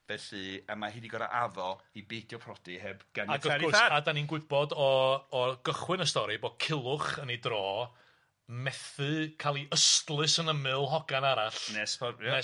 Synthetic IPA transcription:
vɛɬɨəmahiːdiɡɔɾa̰ʔaðɔibedjɔpʰrɔd̥ihɛbɡ̥anaɡɔavɡʊrsaadaninɡwɪbɔdɔː | ɡ̥əχwɨnəstɔɾiboːd̥̚kʰɪlˠʊχənidrɔː | mɛθɨkʰalˠiəstlˠɨsənəmɨlˠɦɔɡanaɾaɬnɛspʰɔnɛ

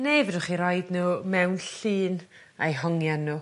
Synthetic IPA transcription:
nejvɛdʊχiɾɔɨdnuːmɛwnɬiːn | ajɦɔŋjanːuː

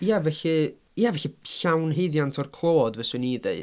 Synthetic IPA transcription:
javɛɬɨ | javɛɬiɬawnɦeɨðjantʰɔrkʰlˠoːɔdvɛsɨniðeɨ

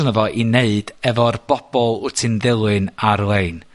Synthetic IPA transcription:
nəvɔʔineɨd̥ɛvɔrb̥ɔb̥ɔlˠʊtʰɪnðɪlˠɨnarlˠeɨn

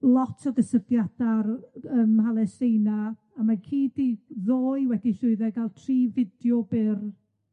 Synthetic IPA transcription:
lˠɔtʰɔðəsəvjad̥arəmhalˠɛsejna | amakʰiːdiðoːɨwɛdiɬʊɨðɛɡalˠtʰriːvɪdjɔbɪr

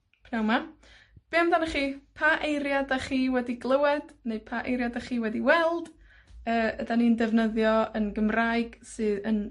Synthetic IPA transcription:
pʰnawma | b̥eːmdanaχiːpʰaʔejɾjadaχiːwɛdiɡlˠəwɛd̥nejpʰaʔejɾjadaχiːwɛdiwɛlˠd̥ | əːədanindɛvnəðjɔənɡəmrajɡ̥sɨðən

